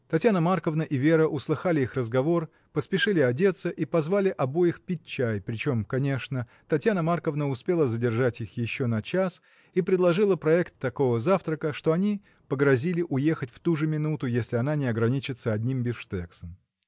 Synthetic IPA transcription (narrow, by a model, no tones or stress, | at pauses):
t̪ɐtʲjanəmarkəvnəʔɪvʲe̞ɾəʔʊslˠɨxalʲɪixrəzɡɐvo̞r | pəspʲɪʂɨlʲɪɐdʲe̞t̪sːəʔipɐzvalʲɪʔɐbojɪxpʲɪt̚ʲt͡ɕːæjpɾʲɪt͡ɕo̞mkɐnʲe̞ʂnə | t̪ɐtʲjanəmarkəvnəʊspʲe̞lˠəzədʲɪrʐatʲixjɪɕːonɐt͡ɕas | ipɾʲɪd̪lˠɐʐɨlˠəpɾɐɛkt̪ːɐko̞vəzaft̪ɾəkəʂt̪oɐnʲi | pəɡɾɐzʲilʲɪʔʊje̞xətʲft̪uʐɨmʲɪnut̪ʊjesʲlʲɪɐnanʲɪɐɡɾɐnʲit͡ɕɪt̪səɐdʲnʲimbʲɪʂt̪ɛksəm